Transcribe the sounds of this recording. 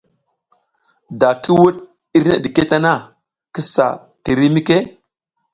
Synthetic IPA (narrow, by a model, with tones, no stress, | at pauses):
da˨ki˦wu˦ɗ | i˦ɾna̰˨ɗi˨ke˦ta˦na˦ | ki˦sa̰˨ | ti˨ɾi˦mi˦ke˦